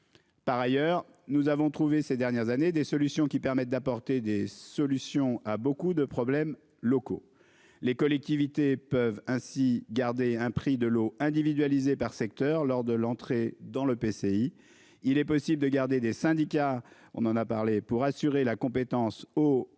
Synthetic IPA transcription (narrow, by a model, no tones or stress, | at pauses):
paʁajœːʁ | nuzavɔ̃t̪χuvesed̪ɛʁnjɛʁzaned̪esɔlysjɔ̃kʲipɛʁmɛt̪̚d̪apɔʁt̪ed̪esɔlysjɔ̃abokud̪əpχɔblɛm | lɔko̰ | lekɔlɛk̚t̪ivit̪epœvɛ̃siɡaʁd̪eɛ̃pχid̪əloɛ̃d̪ivid̪ɥalizepaʁsɛk̚t̪œʁlɔʁd̪əlɑ̃t̪χed̪ɑ̃ləpesei | ilɛpɔsibld̪əɡaʁd̪ed̪esɛ̃d̪ika | ɔ̰̃nɑ̃napaʁlepuʁasyʁelakɔ̃pet̪ɑ̃so